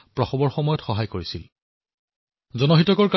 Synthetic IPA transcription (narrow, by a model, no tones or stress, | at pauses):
pɹɔxɔbɔɹxɔmɔjɔtxɔɦajkoɹisil | zɔnɔɦitɔkɔɹk